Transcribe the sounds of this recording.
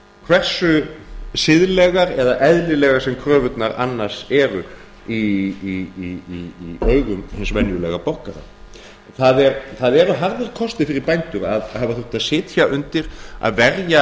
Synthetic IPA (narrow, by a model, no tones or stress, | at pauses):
kʰvɛr̥sʏsɪðlɛɣaɾɛðaʔɛðlɪlɛːɣaɾ̥sɛmkʰɾœːvʏt̪naɾa̰nːḁsɛɾʏ | iiiiiœːɥɣʏmhɪnsvɛnjʏlɛɣapowhkaɾa̰ | θaðɛɾθaðɛɾaɦaɾðɪɾkʰɔst̪ɪfɪɾɪɾpajnt̪ʏɾaðhavaθʏht̪aðsɪːt̪çaʔʏnt̪ɪɾ̥a̰ðvɛɾja